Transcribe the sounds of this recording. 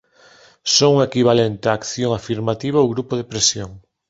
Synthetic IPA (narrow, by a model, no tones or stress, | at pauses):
soŋuŋekiβalent̪eaːkθjoŋafiɾmat̪iβ̞aowɣɾupoðepɾesjoŋ